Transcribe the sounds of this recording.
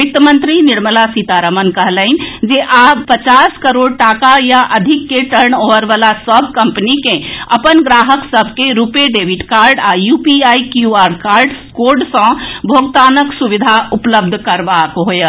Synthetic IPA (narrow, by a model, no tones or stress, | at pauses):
ik̚t̪əmənt̪ɾiniɾməlasit̪aɾəmənkəɦləind͡ʒeʔabpət͡ʃaskəɾoɽ̚ʈakajaʔəd̪ʱikːeʈəɾɳoʋəɾbalasəbʱkəmpənikẽəpənɡɾaɦəksəbʱkeɾupeɖebʱiʈkaɾɖajupiaikjuaɾɖkaɾɖ | koɾɖsə̃bʱoɡt̪anəksubid̪ʱaupləb̚d̪ʱkəɾbakɦojə